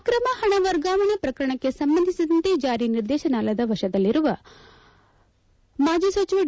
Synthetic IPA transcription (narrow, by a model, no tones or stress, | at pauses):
kɾɐmɐhɐɳ̃ɐʋɐɾɡaːʋɐɳɐpɾɐkɾɐɳ̃ɐkːesɐmbɐnd̪ʱisid̪ɐnt̪ed͡ʒaːɾiniɾd̪eːʃɐnaːlɐd̪ɐʋɐʃɐd̪ɐlːiɾuʋɐ | maːd͡ʒisʋɐt͡ʃiʋɐ